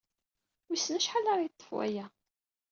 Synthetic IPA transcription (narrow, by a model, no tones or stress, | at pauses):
wisnæʃħalɑɾjət̪ˤːə̥fwæ̰jæ